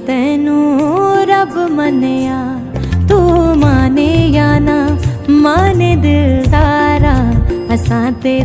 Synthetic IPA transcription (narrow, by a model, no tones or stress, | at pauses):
t̪ɛɦnũːɾɐbmɐnjaː | t̪umaːnejaːnamaːned̪ɪd̪aːɾaːɐsãt̪e